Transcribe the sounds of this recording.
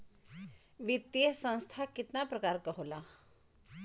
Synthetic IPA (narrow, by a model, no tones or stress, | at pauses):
ʋit̪jesə̃ñst̪ʰakit̪napɾəkaɾkəɦula